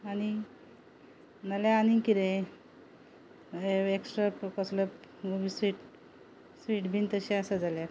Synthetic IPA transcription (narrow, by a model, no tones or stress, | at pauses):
aɽi | nalaaniŋkiɾẽ | eeksʈɾapkɔsləpɡobisʋiʈ | sʋiːʈbʱint̪əɕẽasad͡zaljaɾ